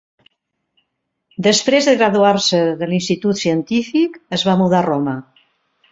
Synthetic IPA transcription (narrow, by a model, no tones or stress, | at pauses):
d̪əspɾezðəɣɾaðuaɾsəðəlinst̪it̪ut̪siənt̪ifikəzβamuðarɔmə